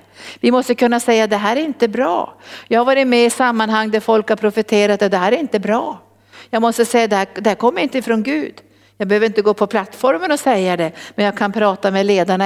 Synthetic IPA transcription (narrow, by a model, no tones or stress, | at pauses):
vɪmɔst̪əkʰɵnːasɛjːad̪ɛɦæːɾæɾɪnt̪əbɾɑ̰ːjɑːɡhaɾvɑːɾɪt̪mɛɪsamːanhaŋːd̪æɾfɔlkhaɾpʰɾʊfət̪ʰeːɾat̪jad̪ɛhæːɾæɾɪnt̪əbɾɑː | jɑːɡmɔst̪əsɛjːad̪ɛhæd̪ɛhæːɾkʰɔmːəɾɪnt̪əɪfɾɔnɡʉ̟ːd̪ | jɑːɡbɛhøːvəɾɪnt̪əɡoːpʰɔpʰlat̪ːfɔɾmənɔsɛjːad̪ɛmɛnjɑːɡkʰanpʰɾɑːt̪amɛleːd̪aɳa